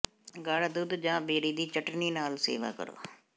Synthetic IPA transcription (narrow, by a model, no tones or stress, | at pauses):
ɡaːɽd̪ud̪d͡ʒãːbeːɽiːd̪iːt͡ʃəʈniːnaːlsḛːʋa̰ːkə̰ɾo̰ː